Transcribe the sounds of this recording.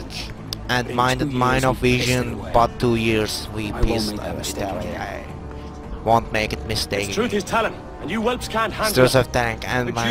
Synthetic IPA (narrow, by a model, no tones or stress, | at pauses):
ɨ̃ndmãɪ̃ndɨd̚mãɪ̃nɔvːiʒɨ̃nb̥ʌtʰːujiɹzwipʰisɪtælḭa̰ɪ | wõntmeɪkɨt̚mɪsteɪkɹ̥ʉθɨztʰɛlˠɪ̃ŋ | ə̃njɨwɛlˠpskʰæ̃nhæ̃dəsəvt̪æ̃ŋkɨ̃nma